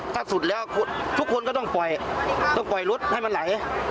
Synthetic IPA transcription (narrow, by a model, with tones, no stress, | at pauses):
t̪ʰa˥˩su˨˩t̪̚lɛː˦˥wkʰo˧t̪ʰu˦˥kʰːo˧nkɔː˥˧˩t̪ɔ˥˩ŋpɔ˨˩jt̪ɔ˥˩ŋpɔ˨˩jlo˦˥t̪̚ha˥˩jma˧nla˨˩˦j